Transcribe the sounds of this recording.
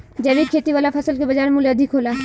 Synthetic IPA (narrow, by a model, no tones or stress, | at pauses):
d͡ʒɛbikʰeːt̪iʋaːlapʰɐsəlkebɐd͡ʒaːɾmuleɐd̪ʱɪkɦoːla